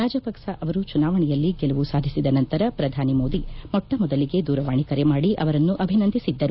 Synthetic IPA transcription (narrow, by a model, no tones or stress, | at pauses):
ɾaːd͡ʒɐpɐkʂɐʔɐʋɐɾut͡ʃunaːʋɐɳɛjɐlːiɡɛluʋusaːd̪ʱisid̪ɐnɐnt̪ɐɾɐpɾɐd̪ʱaːnimo̞ːd̪imɔʈːɐmɔd̪ɐliɡe̞d̪uːɾɐʋaːɳikɐɾemaːɽiʔɐʋɐɾɐnːuʔɐbʱinɐnd̪ʱisid̪ːɐɾu